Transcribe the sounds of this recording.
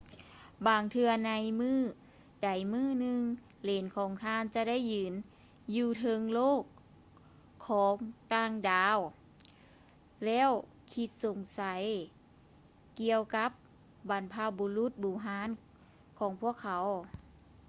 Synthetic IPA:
baː˧ŋt̪ʰɯ˧ɐna˧˦jmɯː˥˩ | da˨˦jmɯː˥˩˨nɯ˧ŋ | leː˨˦nkʰɔː˨˦ŋt̪ʰaː˧˥˨nt͡ɕa˧˦da˥˩˨jːɯː˨˦n | juː˧˩t̪ʰɤ˧ŋloː˥˩kʰː | ɔː˨˦ŋt̪aː˧˩˨ŋdaː˨˧w | lɛː˧˥˨w | kʰi˧˥t̪̚so˨˩˦ŋsa˨˦j | ki˧əwka˧˦˥p̚ | ba˨˦npʰaː˧˩wboː˧˦lu˧˥˦t̪̚buː˨˩ɦaː˧˦˥n | kʰɔː˨˦ŋpʰu˧˥˩ɐəkʰːa˨˦w

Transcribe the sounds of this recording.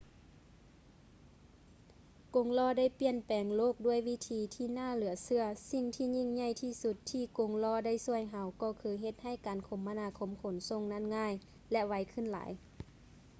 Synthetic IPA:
ko˧˦ŋlɔː˧˥˨da˥˨jpi˧˨ənpɛː˨ŋloː˧˥˩k̚du˧˥˩əjʋi˧˥t̪ʰiː˨˧˦t̪ʰiː˧˩naː˧˥˩lɯ˨˩˦ɐsɯ˧ɐsi˧˨ŋt̪ʰiː˧˨ɲi˧˩˨ŋɲa˧˩˨jt̪ʰiː˧˩su˧˦t̪ʰːiː˧˩ko˨˦ŋlɔː˧˨da˥˨jsu˧˩əjɦa˧˦wkɔː˧˩kʰɯː˧˦ɦe˧t̪̚ha˧˥˩jkaː˨˩nkʰo˧˦mːa˧naː˧˥kʰo˧˦mkʰo˨˩˦nso˧˨ŋna˧˥˩nŋaː˧˥˨j | lɛ˧ʋa˧˥jkʰɯ˧˥˨nla̰ː˨˦j

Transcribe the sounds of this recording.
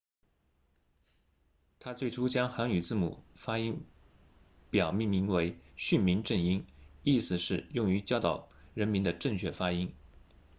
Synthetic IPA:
t̪ʰa˥t͡swe˥˩ɪʈ͡ʂʰu˥t͡ɕjɑ˥ŋxa˧˥ny˨˩t͡sɹ̩˥˩mṵ˨˩fa˥i˥ŋ | pjɑ˨˩ʊmi˥˩ŋmi˧˥ŋwe˧˥ɪɕy˥˩nmi˧˥nʈ͡ʂə˥˩ni˥ni˥˩sɹ̩˨˩ʂɻ̩˥˧jʊ˥˩ŋy˧˥t͡ɕjɑ˥ʊt̪ɑ˨˩ʊɻə˧˥nmi˧˥nd̪ə˧ʈ͡ʂɤ˥˧ŋt͡ɕʰɥɛ˥˩fa˥i˥ŋ

